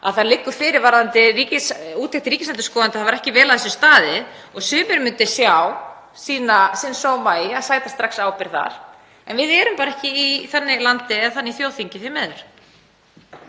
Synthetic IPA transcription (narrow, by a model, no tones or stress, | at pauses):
aðθaɾlɪkːʏfɪːɾɪɾvaɾðant̪ɪriːcɪsuːt̪ɛht̪ɪɾiːcɪslɛnt̪̬ɪskɔːðant̪ɪθavaɾɛhcɪvɛːlaðθɛsʏ̥st̪aːðɪ | ɔɣsʏːmɪɾmʏnt̪ɪsjaw | siːnasɪnsoːwmaːjɪaðsaːjt̪ast̪ɾaxksaːwpɪɾ̥θa̰ɾ̥ | ɛnvɪðɛɾʏmpaːɾaɛhcɪiθanːɪlant̪ɪɛðθanːiθjoːwθiɲcɪθɪmɛːðʏɾ̥